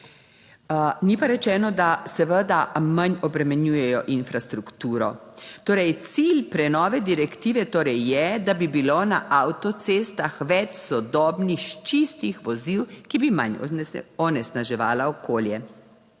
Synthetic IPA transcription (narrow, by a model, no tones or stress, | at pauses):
nipaɾɛt͡ʃɛːnɔd̪asɛʋəd̪amaɲɔbɾɛmɛnjuːjɛjɔʔinfɾast̪ɾukt̪uːɾɔt̪oːɾɛjt̪silpɾɛnɔːʋɛd̪iɾɛkt̪iːʋɛt̪oːɾɛjːɛd̪abibilonaʔawt̪ɔt̪sest̪axʋɛt͡ʃsɔd̪ɔːbnixt͡ʃist̪ixʋɔziwkibima̰nɔnɛsnaʒɛʋa̰ːlaɔkoːljɛ